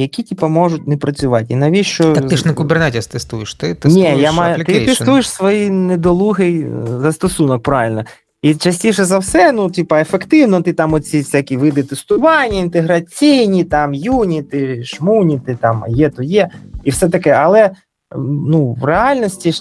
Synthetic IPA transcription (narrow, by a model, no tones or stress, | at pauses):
jɐkʲitʲipɐmɔʐʊtʲnɛpɾɐt͡sʲʊʋɑtʲinɐʋʲiʃt͡ʃɔɐk̪ɪʃnɛkʊbernɛtʲst̪ɛst̪ujɪʃt̪ɪt̪ɪnʲɛjamajlʲt̪ːɪst̪ujɪʃsʋɔjined̪ɔlˠuɦɪjzɐst̪ɔsunɔk̚pɾaʋʲɪlʲnɔ | it͡ʃɐsʲtʲiʃɛzɐwsɛnutʲipɐefekt̪ɪwnɔt̪ɪt̪ɑmɔt͡sʲisʲakʲiʋɪd̪ɪt̪est̪ʊʋɑnʲːɐint̪eɦɾɐt͡sʲijnʲit̪ɑmjunʲit̪ɪʃmunʲit̪ɪt̪ɑm̰jɛt̪ɔjɛiwsɛt̪̬ɐkɛɐlˠɛ | nuwreɑlʲnɔsʲtʲi